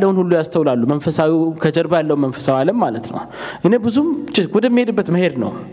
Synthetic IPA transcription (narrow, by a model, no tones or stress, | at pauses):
lːəwunhulːujast̪ʰəwlalːumənfəsawikʰəd͡ʒəɾbəjalːəwunmənfəsawalːəmːalət̪nə̰w | ʔɨne̞bɨzumt͡ʃɪɡɔd̪əmːihed̪ɨbːət̪məhe̞d̪nə̰w